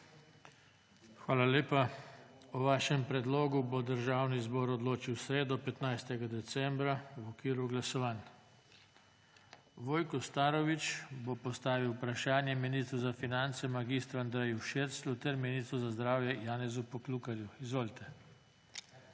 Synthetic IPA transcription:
xʋaːlaleːpa | uʋaːʃɛmpɾɛd̪loːɡubod̪əɾʒaːwnizbɔːɾɔd̪loːt͡ʃiwsɾeːd̪ɔpɛt̪najst̪ɛɡad̪ɛt̪sɛmbɾawɔkʋiːɾuɡlasɔʋan | ʋoːjkɔst̪aːɾɔʋit͡ʃbopɔst̪aːʋiwpɾaʃaːnjɛminist̪ɾuzafinant̪sɛmaɡist̪ɾuand̪ɾɛjuʃeɾslut̪ɛɾminist̪ɾuzazd̪ɾaːwjɛjaːnɛzupɔklukaɾjuizʋoːlt̪ʰɛ

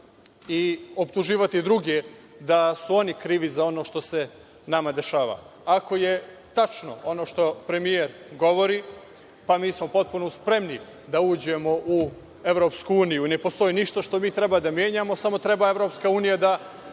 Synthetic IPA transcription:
io̞pt̪uʒiːʋat̪id̪ɾuɡe | d̪asuo̞nikɾiːʋizao̞no̞ːʃt̪o̞se̞ | namad̪e̞ʃaːʋa̰ | ako̞je̞ | t̪at͡ʃno̞̰o̞no̞ːʃt̪o̞pɾe̞mijeɾɡo̞ʋo̞ɾi | pamiːsmo̞po̞t̪̚punouspɾe̞mni | d̪auːd͡ʑe̞mo̞ʔu | e̞ʋɾo̞pskuuːnijune̞po̞st̪o̞jiniʃt̪oʃt̪o̞miːt̪ɾe̞baːd̪amje̞ːɲamo̞samo̞t̪ɾe̞bae̞vɾo̞ːpskauːnijad̪a

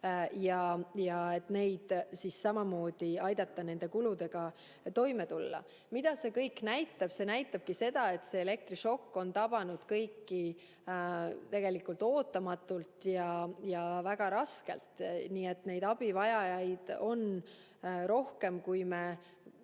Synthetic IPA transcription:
jɑjɑe̞t̪ne̞jd̪̥sissɑmɑmo̞ːd̪̥iɑjd̪̥ɑt̪ˑːɑne̞nd̪̥e̞kulud̪e̞ɡ̥ɑ | t̪o̞jme̞t̪ulːɑ̰ | mid̪̥ɑse̞kɤjknæjt̪ːˑɑb̥se̞næjt̪ːˑɑb̥̚kise̞d̪ɑe̞t̪se̞ːle̞k̚t̪riʃo̞kːo̞nt̪ɑb̥ɑnud̪̥kɤjkːi | t̪e̞ɡ̥e̞likˑult̪o̞ːt̪ːˑɑmɑt̪ːˑult̪jɑjɑvæɡ̥ɑɾɑske̞̰lt̪niːe̞t̪ne̞jd̪ɑb̥ivɑjɑjɑjd̪̥o̞n | ɾo̞hke̞mkujme

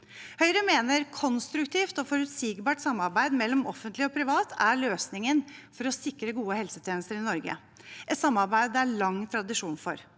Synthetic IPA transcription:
hœʏɾəmeːnəɾkʰɔnst̪ɾʉkt̪ʰiːft̪ɔfɔɾʉt̪siːɡbɑːʈsɑmːɑɾbæɪd̪mɛlːɔmɔfənt̪lɪɔpʰɾɪʋɑːt̪ʰæɭøːsnɪŋənfɔɾɔsɪkɾəɡuːəhɛlsət̪ʰjeːnəst̪əɾɪnɔɾɡə̰ | ʔɛt̪sɑmːɑɾbæɪd̪æɭɑŋːt̪ʰɾɑd̪ɪʂuːnfɔ̰ɾ

